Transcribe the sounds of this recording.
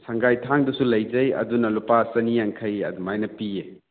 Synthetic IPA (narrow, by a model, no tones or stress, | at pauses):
sɐŋɡajtʰaŋdɐsulɐjd͡ʒɐjɐ̰dunɐlupasɐnijaŋkʰɐjɐ̰dumajnɐpie